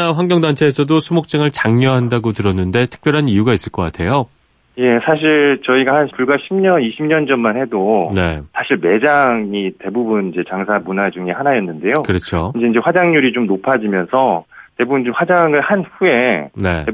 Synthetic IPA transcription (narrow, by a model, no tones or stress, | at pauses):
aɸwaŋɡjʌŋdant͡ɕʰe̞ːsʰʌdosʰumok̚t͡ɕ͈aŋɯɭt͡ɕaŋɲʌɦandaɡotɯɾʌnːɯnde̞tʰɯ̥k̚p͈jʌɾɦanijuɡais͈ɯɭk͈ʌk͈a̰tʰe̞jo | je̞sʰaɕʰiɭt͡ɕʌiɡahanpuɭɡaɕʰimɲʌniɕʰimɲʌnd͡ʑʌmmanhe̞done̞̰sʰaɕʰiɭme̞d͡ʑaŋite̞bubunid͡ʑe̞t͡ɕaŋsʰamunad͡ʑuŋe̞hanajʌnːɯnde̞jokɯɾʌt͡ɕʰoind͡ʑe̞ind͡ʑe̞ɸwad͡ʑaŋɲuɾit͡ɕomnopʰad͡ʑimjʌnsʰʌte̞bubɯnd͡ʑomɸwad͡ʑaŋɯɭhanɸue̞ne̞̰e